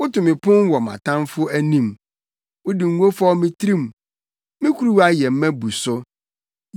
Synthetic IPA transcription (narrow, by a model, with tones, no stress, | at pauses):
wʊ˦tʊ˨mɪ̃˨pʰʊ̃˦n˦wɔ˨mã̰˨tʰã˦mfʊ˦æ˦nĩ˦m | wʊ˦di˨ŋ̩˦ɡo˦fɔ˦mɪ̃˦tʰɾĩ˦m˨ | mɪ̃˦kʰu˦ɾu˦a˦jɛ˨m̩˦mæ̃˦bu˨sʊ˦